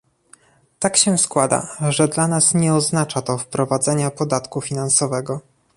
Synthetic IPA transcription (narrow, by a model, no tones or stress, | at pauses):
t̪akɕɛskwad̪a̰ʐɛd̪lanasɲɛɔznat͡ʂat̪ɔfpɾɔvad̪zɛɲapɔd̪at̪kufʲinansɔvɛɡɔ